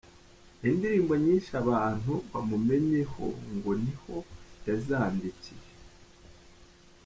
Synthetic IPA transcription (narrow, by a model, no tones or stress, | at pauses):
indiɾiːmboɲiːnʃaβaːn̥huβamume̞ɲe̞ho̞̰ŋɡo̞niho̞jazaːndicije